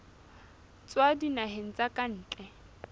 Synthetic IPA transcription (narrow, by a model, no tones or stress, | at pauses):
t͡sʼwadinaɦen̩t͡sʼakʼan̩ːt͡ɬʼɛ